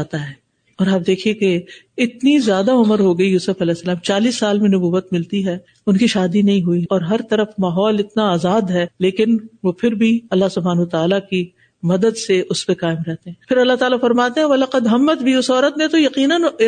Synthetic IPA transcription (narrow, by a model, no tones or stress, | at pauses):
at̪aɦɛː | ɔːɾaːp̚d̪eːkʰieke | ɪt̪nizjaːd̪aʊməɾɦoɡɐijuːsʊfɐlɛːsːɐlaːmt͡ʃaːliːsːaːlmẽnʊbuːʋːət̪mɪlt̪iɦɛː | ʊnkiʃaːd̪inɐɦĩɦʊiɔːɾɦɐɾt̪ɐɾəfmaːɦɔːlɪt̪naaːzaːd̪ɦɛːleːkɪnʋopʰɪɾbʱiɐlːaɦsʊbʱaːnɦʊt̪aːlaki | mɐd̪əd̪seʔʊspekaːɪmɾɛɦt̪ẽɦɛ̃ːpʰɪɾɐlːaɦt̪aːlafɐɾmaːt̪ẽɦɛ̃ʋɐlaqɐd̪ɦɐmːət̪bʱiʊsɔːɾət̪mẽt̪ojɐqiːnən